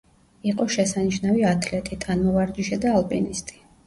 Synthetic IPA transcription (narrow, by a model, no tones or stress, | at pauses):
iqʼɔʃɛsaniʃnaviat̪ʰlɛt̪ʼit̪ʰʼanmɔvaɾd͡ʒiʃɛd̪aːlˠpʼinist̪ʼi̥